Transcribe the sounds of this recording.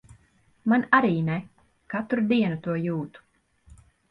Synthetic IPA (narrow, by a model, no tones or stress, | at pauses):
manaɾiːnɛ | kat̪ɾud̪iɛnut̪uɔjuːt̪u̥